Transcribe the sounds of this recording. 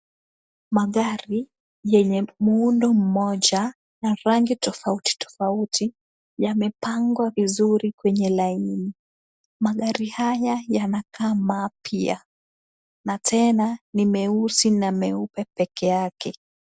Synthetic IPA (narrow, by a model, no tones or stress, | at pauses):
maɠaɾi | jɛɲɛmuundɔm̩mɔʄa | naɾaŋɡitɔfauti̥tɔ̥fautʰi | jamɛpaŋɡwavizuɾikwɛɲɛlaini | maɠaɾihajajanakʰaːmaːpʰia̰ | natʰɛnanimɛusinamɛupɛpɛkɛakɛ